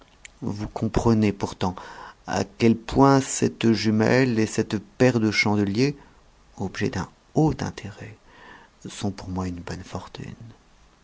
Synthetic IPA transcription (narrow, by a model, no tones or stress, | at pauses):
vukɔ̃pχənepuʁt̪ɑ̃a̰kʲɛlpwɛ̃sɛt̪ʒymɛ̰lesɛt̪pɛʁd̪əʃɑ̃d̪əlje | ɔbʒɛ̰d̪ɛ̃ | ot̪ɛ̰̃t̪ʰeʁɛ | sɔ̃puʁmwaynbɔnfɔʁt̪ʰy̰n